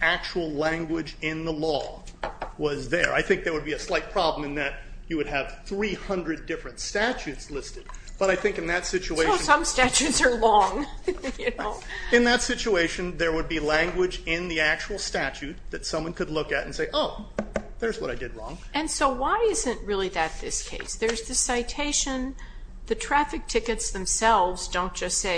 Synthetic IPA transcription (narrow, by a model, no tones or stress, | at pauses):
æk̚t͡ʃul̩ˠlæ̃ŋɡwɪd͡ʒɪ̃nðəlɔ | wʌzðə̰˞ʔa̰ɪθɪ̃ŋk̚ðə˞wɨd̚biɨslaɪt̚pʰɹ̥ɑblə̃mɨ̃nðɨt͡ʃɨwɨɾ̚ɨv̥θɹihʌ̃ndɹɨdɪfɹɨ̃ntstæt͡ʃʉtslɪstɨd̚ | b̥ʌɾaɪθɪ̃ŋkɨ̃n̩ðɨtsɪt͡ʃueɪosʌ̃mstæt͡ʃʉtsə˞lɔ̃ŋjɨnʊɨ̃nðɨtsɪt͡ʃueɪʃɨ̃nðə˞wəd̚bilæ̃ŋɡwɪd͡ʒɪ̃nðiæk̚t͡ʃul̩ˠstæt͡ʃʉt̪̚ðɨtsʌ̃mwʌ̃nkɨdˡlʊkɨɾɨn̩seɪʔoʊðə˞zwʌɾaɪdɨd̚ɹɔ̰̃ŋ | ɨ̃nsoʊwaɪɪzɨ̃nʔ̚ɹɪlˠiðɨt̪̚ðɪskʰeɪsðə˞zðɨsaɪtʰeɪʃɨ̃n | ðɨtʰɹ̥æfɨk̚tʰɪkɨtsðɨ̃msɛlˠvzdõʊ̃nd̥ʒ̥ʌstseɪ